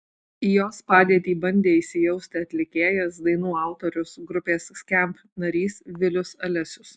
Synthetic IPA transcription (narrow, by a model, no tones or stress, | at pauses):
ijoːspɑːd̪ʲiɛt̪ʲiːbɐnʲd̪ʲeːɪʃʲsʲɪjɛʊsʲt̪ʲɪɐt̪ʲlʲɪkʲeːjɛsd̪ɐɪnuːɑˑʊt̪ɔɾʲʊsɡɾʊpʲeːssʲkʲɛmʲp | nɐɾʲiːsʋʲɪlʲʊsɐlʲɛsʲʊs